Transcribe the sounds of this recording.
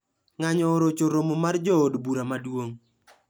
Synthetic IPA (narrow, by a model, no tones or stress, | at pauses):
ŋaɲɔːɾot͡ʃoɾomomard͡ʒɔːdbuɾamadwoŋ